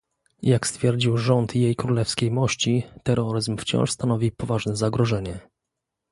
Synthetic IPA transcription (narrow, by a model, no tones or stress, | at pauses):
jakst̪fʲjɛɾd͡ʑiwʐɔnt̪jejkɾulɛfskʲejmɔɕt͡ɕit̪ɛɾɔɾɘzmft͡ɕɔ̰̃w̃ʂst̪anɔvʲipɔvaʐnɛzaɡɾɔʐɛɲɛ